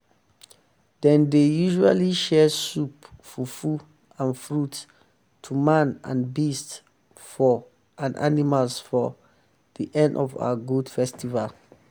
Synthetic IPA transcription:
d̥ɛ̃ndejuʒua̰liʃɛsupfɔfu | ãnfɹut | tʰumãnã̰nbist | fɔ | ʔãnʔa̰nimalsfɔ | d̥iʔɛ̃ndɔva̰wəɡudfɛstival

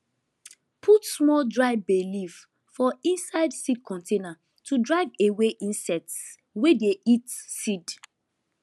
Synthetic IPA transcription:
pʰutsmɔldɹaɪvbeliv | fɔĩnsaɪdsid̚kʰɔ̃ntʰena | tʰudɹaɪveweʔĩnsɛts | wedeitsid

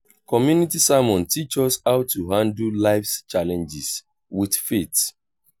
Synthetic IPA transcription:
kɔmjunitisamɔ̃ntʰit͡ʃɔsaʊtːuɦãndl̩laɪfst͡ʃalɛ̃nd͡ʒis | wiθfet

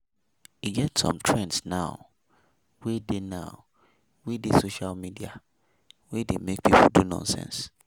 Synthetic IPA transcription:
jiɡɛtsɔ̰̃mtʰɹɛ̃ndsnãʊ | wedenãʊ | wedesoʃalmidia̰ | wɛdemek̚pʰipʰoldunɔ̰̃nsɛ̰̃ns

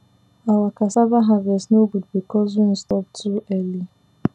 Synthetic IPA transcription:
awakasabaɦavɛsnoɡudbikɔzũn̩stɔp̚tʰuɛli

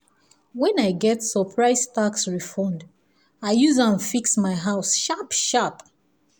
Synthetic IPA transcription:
wɛ̃naɪɡɛtsəpʰɹaɪstʰaksɹifɔ̃nd | aɪjuzãnfiksmaɪɦaʊsʃapʃap

